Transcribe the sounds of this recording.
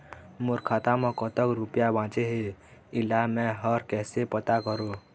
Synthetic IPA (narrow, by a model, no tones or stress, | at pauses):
moːɾkʰaːt̪amɔ̃kɔt̪əkɾupjabãːt͡ʃeɦeɪlamɛ̃ɦɔɾkɛːsepət̪akəɾoː